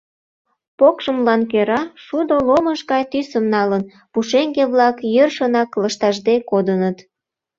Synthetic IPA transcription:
pokʃəmlɑnkøɾɑʃud̪oloməʃɡɑjt̪ysəmnɑlən | puʃeŋɡeβlɑkjørʃənɑkləʃt̪ɑʒd̪ekod̪ənət̪

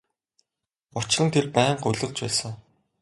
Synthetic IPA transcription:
ʊt͡ɕrə̆nt̪ʰerpæːɴɢʊɮə̆ɮt͡ɕpæːsə̆ŋ

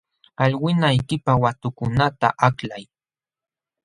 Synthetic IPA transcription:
aʎwɪnajkɪpawat̪ʊkʊnat̪a̰ʔaklaj

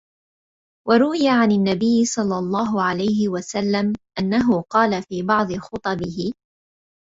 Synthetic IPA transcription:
wʔɑɾˤʊwɪjaʕananːabɪjːɪsˤɑlːɑlˤːɑːɦʊʕalajɦɪwasalːamʔanːaɦʊqɑːlafiːbɑʕd̪ˤɨxʊt̪ˤɑbɪhɪ

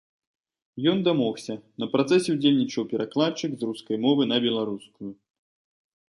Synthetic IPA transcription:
jɔnd̪amɔxsʲɐnɐpɾat̪sɛsʲɛwd͡zʲelʲnʲit͡ʂɐwpʲɛɾaklˠat͡ʂɨkzruskɐjmɔvɨnɐbʲɛlˠaɾuskuju

